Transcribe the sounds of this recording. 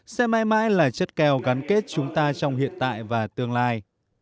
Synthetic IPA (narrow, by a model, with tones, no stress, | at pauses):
sɛ̰˧˥ma̰ː˧˥jma̰ː˧˥jlaː˨˩t͡ɕə˦˥t̚kɛ˧wɣa˨˦nke˦˥t̚t͡ɕʊ˨˦ŋ͡mt̪aː˧t͡ɕɔ˧wŋ͡mhḭ˧˨ənt̪a̰ː˧˨jvaː˨˩t̪ɨ˧əŋlaː˧j